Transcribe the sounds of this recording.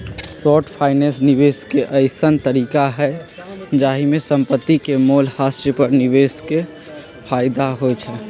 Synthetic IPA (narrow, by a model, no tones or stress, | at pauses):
sɔʈʰpʰaːɪnesnibeskeʔəɪsənt̪əɾiːkaɦɛd͡ʒaːɦimesəmpət̪ːikemolhasepəɾnibeske | pʰaːɪd̪aɦot͡ʃʰɛ